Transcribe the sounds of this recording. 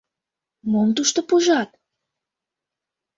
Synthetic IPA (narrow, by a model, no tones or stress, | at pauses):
momt̪uʃt̪opuʒɑt̪̚